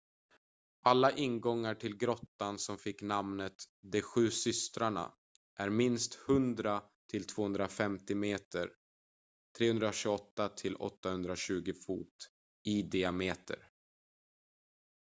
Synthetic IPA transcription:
ʔalːaʔɪnɡɔŋːaʈʰɪlɡɾɔt̪ːansɔmfɪkːnamnət̪ | d̪ɛɧʉ̟ːsʏst̪ɾaɳa̰ | ʔæɾmɪnst̪hɵnd̪ɾa | t̪ʰɪlt̪ʰv̥oːɵnd̪ɾafɛmt̪ɪmeːt̪əɾ | t̪ʰɾeːhɵnd̪ɾaɕʉɡɔt̪ːat̪ʰɪlɔ̰t̪ːahɵnd̪ɾaɕʉ̟ːɡɪfṵːt̪ | ɪd̪ɪameːt̪ʰə̰ɾ

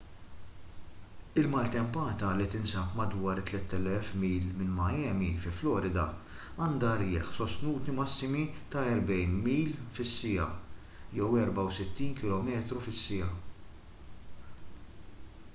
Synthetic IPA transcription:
ɪlmɐːlt̪ɛmpɐːt̪ɐlit̪ɪnsɐpmɐd̪wɐːɾt̪ːlɛt̪ːɛlɛfmiːlmɪnmɐjɛːmifɪflɔːɾɪd̪ɐ̰ | ɐːnd̪ɐɾɪːħsɔst̪nuːt̪imɐsːɪmit̪ɐɛɾbɛjnmiːlfɪsːɪjɐ̰ | jɛwɛɾbɐwsɪt̪ːiːnkɪlɔmɛːt̪ɾufɪsːɪjɐ

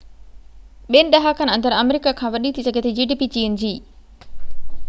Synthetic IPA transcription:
benɖɐɦaːkɐnɐnd̪ɐɾɐmeɾikaːkʰãːʋɐɗiːt̪isɐɡet̪ed͡ʒiɖiːpit͡ʃiːund͡ʒiː

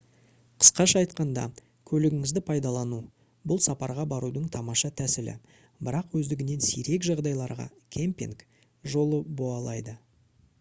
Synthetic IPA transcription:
qʰə̥sqɑʃɑːjt̪qɑnd̪ɑ̰ | kʲʰɵlɪɡʲɪŋɪzd̪ɪpʰɑjd̪ɑlˠɑnu | bʊlˠsɑpɑɾʁɑbɑɾud̪əɴt̪ʰɑmɑʃɑt̪ʰæsɪlɪ̰ | bɪɾɑqwɵzd̪ɪɡʲɪne̞nsiɾe̞kʒɑʁd̪ɑjlˠɑɾʁɑ̰ | kʲʰe̞mpʲḭŋk | ʒo̞lˠəboɑlˠɑjd̪ə

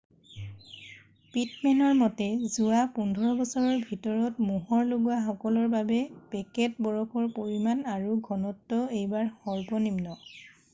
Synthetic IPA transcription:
pitmɛnɔɹmɔtɛzuapundʱɔɹɔbɔsɔɹɔɹbʱitɔɹɔtmuɦɔɹloɡuaxɔkɔlɔɹbabɛpɛkɛt̚bɔɹɔkʰɔɹpoɹimanaɹuɡʱɔnɔtːɔejbaɹxɔɹpɔnimnɔ

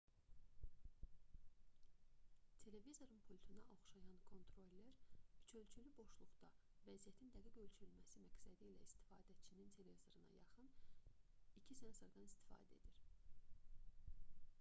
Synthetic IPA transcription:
t̪ʰe̞le̞vizo̞ɾɯnpʰolʲt̪ʰunɑʔo̞χʃɑjɑnkʰo̞nt̪ʰɾo̞lʲːæɾyt͡ʃʰø̞lt͡ʃʰylybo̞ʃlˠuɣd̪ɑ | væzijæt̪ʰind̪æɡiɟølt͡ʃʰyɾylmæsimæɡsæd̪ilæ̰ist̪i̥fɑːd̪æt͡ʃʰinint̪ʰe̞le̞vizo̞ɾɯnɑ̰jɑ̰χɯn | icʰisensoɾd̪ɑnist̪ʰi̥fɑ̰ːd̪æe̞̰d̪iɾ

